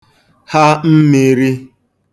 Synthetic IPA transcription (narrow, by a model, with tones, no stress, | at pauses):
ha˦m̩˦mi˨ɾi˦